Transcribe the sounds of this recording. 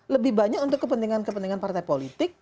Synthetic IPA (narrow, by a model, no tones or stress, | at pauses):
ləbɪhbaɲakunt̪ʊkːəpənt̪iŋankəpənt̪iŋanpart̪aipolit̪ɪk̚